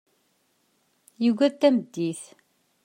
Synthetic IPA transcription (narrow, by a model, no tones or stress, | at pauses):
jiɡæðt̪ːæməd̪ːiθ